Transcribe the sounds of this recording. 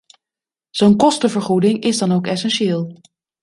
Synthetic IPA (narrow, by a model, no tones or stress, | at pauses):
z̥ownkɔstəvəɹχudɪŋɪzdɑnowkɛsɛnʃeːlˠ